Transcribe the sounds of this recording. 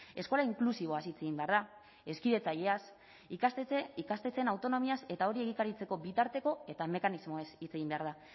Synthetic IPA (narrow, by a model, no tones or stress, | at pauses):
e̞sko̞laiŋklusiβ̞o̞asit͡seɣimbe̞aɾða | e̞skiðe̞t͡saʎe̞as | ikasikast̪e̞t͡se̞nawt̪o̞no̞miase̞t̪ao̞ɾie̞ɣ̞ikaɾit͡se̞ko̞bit̪aɾt̪e̞ko̞e̞t̪ame̞kanizmo̞esit͡se̞ɣimbe̞aɾða